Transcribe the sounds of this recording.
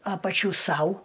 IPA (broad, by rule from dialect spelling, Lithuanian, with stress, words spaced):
ˈɑːpɐt͡ʃʲuː ˈsɐʊ